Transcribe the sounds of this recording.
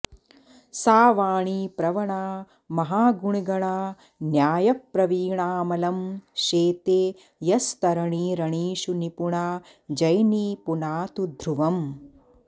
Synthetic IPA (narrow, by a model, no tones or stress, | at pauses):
saːʋaːɳiːpɾɐʋɐɳaː | mɐɦaːɡuɳiɡɐɳaː | njaːjɐk̚pɾɐʋiːɳaːmɐlɐmʃeːt̪eː | jɐst̪ɐɾɐɳiːɾɐɳiːʃunipuɳaː | d͡ʒɐjniːpunaːt̪ud̪ʱɾuʋɐm